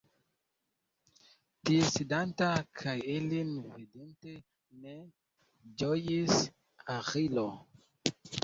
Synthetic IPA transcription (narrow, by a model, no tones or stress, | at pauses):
tiesidantakʰajilinvidente | ne̞ | d͡ʒojis | aʁilo